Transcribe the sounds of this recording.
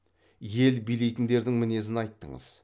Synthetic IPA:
je̞lbijle̞jt̪ɪnd̪e̞ɾd̪ɪŋmɪne̞zɪnɑjt̪ːə̰ɴə̰z̥

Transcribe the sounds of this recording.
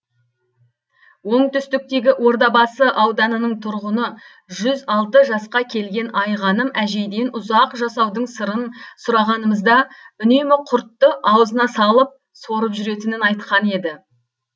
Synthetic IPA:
wo̞ɴt̪ʏst̪ɪk̚t̪e̞ɡʲɪʔwo̞ɾd̪ɑbɑsəʔɑwd̪ɑnənəɴt̪ʰʊɾʁʊnə | ʒʏzɑlˠt̪əʒɑsqɑkʲʰe̞lɡʲe̞nʔɑjʁɑnəmæʒe̞jd̪e̞nʊzɑqʒɑsɑwd̪əɴsəɾənsʊɾɑʁɑnəməzd̪ɑʏne̞mɪqʰʊɾt̪ːəʔɑwəzənɑsɑlˠəp̚ | so̞ɾəpʒʏɾe̞t̪ɪnɪnɑjt̪qɑne̞d̪ɪ

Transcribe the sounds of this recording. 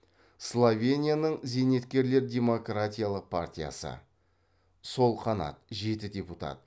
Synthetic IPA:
slˠovʲe̞nʲijanəɴze̞ne̞t̪kʲe̞ɾle̞ɾdʲe̞mo̞krat̪ʲijalˠəq̚pʰa̰rtʲija̰sə̰ | so̞lˠqʰɑnɑ̰t̪̚ʒe̞t̪ɪdʲe̞put̪a̰t̪̚

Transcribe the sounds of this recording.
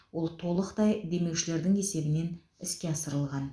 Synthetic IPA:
wo̞lˠt̪ʰo̞lˠəqt̪ɑjd̪e̞me̞wʃɪle̞ɾd̪ɪŋe̞se̞bɪne̞n | ɪskʲe̞ɑsəɾəlˠʁɑn

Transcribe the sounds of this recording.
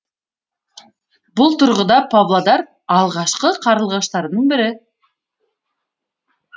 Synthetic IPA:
bʊlˠt̪ʰʊɾʁʊd̪ɑpavlˠad̪ɑɾ | ɑlˠʁɑʃqəqʰɑɾɯlˠʁɑʃt̪ɑɾnəɴbɪɾɪ

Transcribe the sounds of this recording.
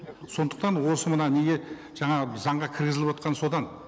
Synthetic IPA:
so̞nd̪əq̚t̪ɑnwo̞səmənɑne̞ɡʲe̞ | ʒ̥ɑɴɑzɑɴʁɑkʲʰɪɾɡʲɪzɪlɪpwot̪̚qʰɑnso̞d̪ɑn

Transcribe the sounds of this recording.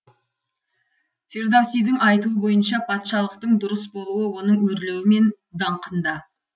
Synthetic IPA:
fe̞ɾd̪awsijd̪ɪŋɑjt̪uəbo̞jənʃɑpʰɑt̪ʃɑlˠəq̚t̪əɴd̪ʊɾəsbo̞lˠuwəwo̞nəɴwɵɾle̞wɪme̞n | d̪ɑɴqənd̪ɑ

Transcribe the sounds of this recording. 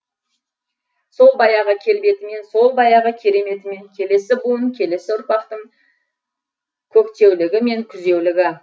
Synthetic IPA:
so̞lˠbɑjɑʁəkʲʰe̞lbe̞t̪ɪme̞nso̞lˠbɑjɑʁəkʲʰe̞ɾe̞me̞t̪ɪme̞ŋkʲʰe̞le̞sɪbuəŋkʲʰe̞le̞sɪʊɾpɑqt̪əɴ | kʲʰɵkt̪e̞wlɪɡʲɪme̞ŋkʲʰʏze̞wlɪɡʲɪ

